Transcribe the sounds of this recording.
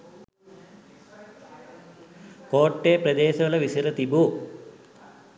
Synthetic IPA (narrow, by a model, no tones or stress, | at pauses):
koːʈːeːprɐd̪eːsɐɐɭɐʋisiɾɐt̪ibu